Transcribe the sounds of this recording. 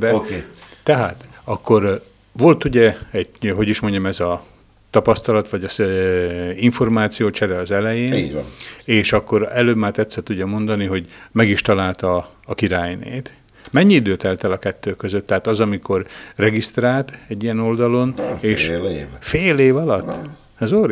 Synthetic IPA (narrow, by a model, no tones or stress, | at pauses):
bɛt̪ɛɦaːt̪ɒkːo̞r | ʋo̞lt̪uɟɛɛɟɦo̞ɟiʃmo̞ɲɟɒmɛzɒ | t̪ɒpɒst̪ɒlɒt̪ʋɒɟɒs | iɱfo̞rmaːt̪sijoːt͡ʃɛɾɛɒzɛlɛjeːnː | eːʃɒkːo̞ɾɛløːbmaːt̪ɛt̪sɛt̪uɟːɒmo̞nd̪ɒniɦo̞ɟmɛɡiʃt̪ɒlaːlt̪ɒː | kiɾaːjnḛːt̪ | mɛɲːiid̪øːt̪ɛlt̪ɛlɒkɛt̪ːøːkːøzøt̪ːɛɦaːt̪ɒzɒmiko̞rrɛɡist̪raːlt̪ɛɟːijɛno̞ld̪ɒlo̞neːʃfeːleːvɒlɒt̪ː | ɛzor